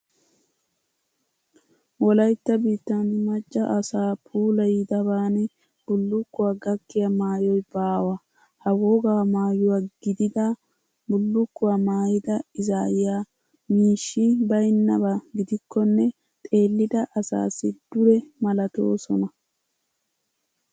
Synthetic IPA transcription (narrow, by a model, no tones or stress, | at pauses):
wɔlɐjt̪ːɐbiːt̪ːɐnɪmɐt͡ʃʼːɐʔɐsaːpʰuːlɐjɪd̪ɐbaːnɛ | b̥ʊlːʊkːʊwaːɡɐkːɪjɐmaːjɔjbaːwɐ | hɐwoɡaːmaːjʊwaːɡ̥ɪd̪ɪd̪a | bʊlːʊkːʊwaːmaːjɪd̪ɐɪzaːjɪjaː | miːʃːibɐjnːɐbaɡɪd̪ɪkːɔnːɛ | t̪ʼe̞ːlːɪd̪ɐʔɐsa̰ːsːɪd̪̥ʊɾɛmɐlɐt̪o̰ːsɔnɐ